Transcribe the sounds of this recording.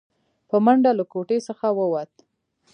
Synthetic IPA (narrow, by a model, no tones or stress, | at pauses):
pəmaɳɖalakoʈesəxawəwat̪̚